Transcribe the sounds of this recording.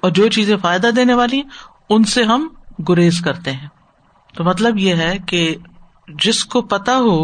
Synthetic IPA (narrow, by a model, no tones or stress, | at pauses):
ɔːɾd͡ʒoːt͡ʃiːzẽfaːɪd̪ad̪eːneʋaːli | ʊnseɦɐmɡʊɾeːzkɐɾt̪eɦɛ̃ː | t̪omɐt̪̬ləbjeɦɛke | d͡ʒɪskopɐt̪aɦoː